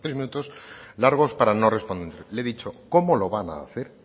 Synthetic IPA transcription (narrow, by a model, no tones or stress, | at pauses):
t̪ɾezmĩnut̪o̞slaɾɣ̞ospaɾanorespond̪end̪eɾleðit͡ʃokomoloβana̰ːθeɾ